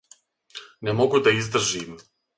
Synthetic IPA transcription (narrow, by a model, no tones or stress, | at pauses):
nemoɡud̪aizd̪r̩ʒiːm